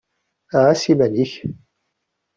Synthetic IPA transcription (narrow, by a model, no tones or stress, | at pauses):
aʕasimæniç